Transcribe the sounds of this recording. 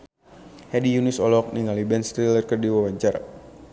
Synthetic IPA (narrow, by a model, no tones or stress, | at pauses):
hɛdijunɪsɔlɔk̚niŋalibɛnst̪ɾilərkərdiwawaɲt͡ʃara